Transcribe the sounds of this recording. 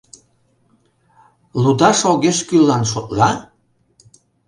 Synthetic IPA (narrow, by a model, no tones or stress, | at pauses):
lud̪ɑʃoɣeʃkylːɑnʃot̪lɑ